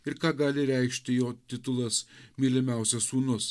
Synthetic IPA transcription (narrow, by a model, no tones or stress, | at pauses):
ɪɾkɑːɡɑːlʲɪɾʲɛɪkʃʲt̪ʲɪjoːt̪ʲɪt̪ʊlˠɐsmʲiːlʲɪmʲæˑʊsʲɛsuːnʊs